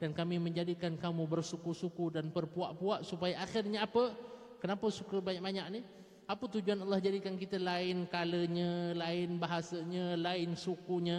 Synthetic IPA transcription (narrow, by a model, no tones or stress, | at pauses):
d̥ankamimə̃ɲd͡ʒadikankamũbərsukusukudanpərpuaʔpuaʔsupajaʔaxɪrɲaapə | kənapəsukəbaɲaʔ̚baɲaʔ̚ni | apət̪ud͡ʒuanɑlːɑhd͡ʒadikankit̪əlaɪnkaləɲəlaɪnbaɦasəɲəlaɪnsukuɲə̃